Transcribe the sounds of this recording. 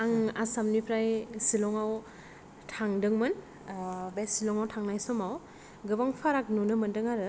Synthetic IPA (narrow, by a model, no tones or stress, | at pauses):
aŋasamnipʰɾajsilɔŋaw | tʰaŋdɯŋmɯn | besilɔŋawtʰaŋnajsɔmaw | ɡɯbaŋpʰaɾak̚nunɯmɯndɯŋaɾɯ